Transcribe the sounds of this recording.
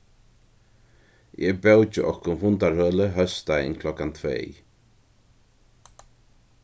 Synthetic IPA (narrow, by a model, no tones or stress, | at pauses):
ɛbɛwt͡ʃəʔɔhkʊnvʊnt̪aɹhœːləɦœst̪ajɪ̰nkʰlɔkant̪ʰvḛːj